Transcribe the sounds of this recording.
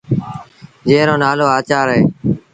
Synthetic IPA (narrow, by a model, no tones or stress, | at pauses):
d͡ʒeːɾoːnaːloːaːt͡ʃaːɾɦeː